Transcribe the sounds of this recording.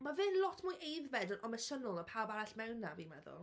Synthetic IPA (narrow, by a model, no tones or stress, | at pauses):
mavɨnlˠɔtʰmujʔejðvɛdənɔməsənʊlˠəpʰawbaɾaɬmɛwnavimɛðʊ̰lˠ